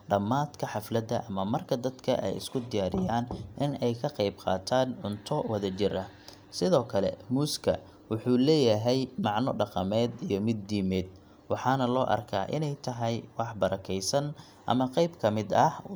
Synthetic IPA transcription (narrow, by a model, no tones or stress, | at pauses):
ɖɐmaːd̪kʰɐħɑflɐd̪ɐʔɐmɐmɐrkʰɐd̪ɐd̪kʰɐ̰ʔɛ̰jɪ̰skʰʊd̪ɪjaːɾɪjaːnʔɪnɛjkʰɐqɑjbqɑ̰ːt̪ʰaːnʕʊnt̪ʰɔwɐðɐt͡ʃɪɾɐ | sɪðɔːkʰɐlɛ̰muːskʰɐ | wʊħuːlɛːjɐɦɛjmɑʕnɔɖɑqɑmɛːd̪ijɞmɪd̪̚ːiːmɛːd̪̚ | wɑħɑːnɐlɔːʔɐ̰rkʰa̰ːʔɪnɛjt̪ʰɐɦɛjwɑħbɐɾɐkʰɛjsɐn | ʔɐ̰mɐqɑjbkʰɐmɪd̪ɐh